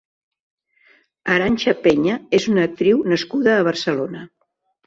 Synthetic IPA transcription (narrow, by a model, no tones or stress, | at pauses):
əɾanʲʃəpeɲəezunəːk̚t̪ɾiwnəskuðəːβ̞ərsəlonə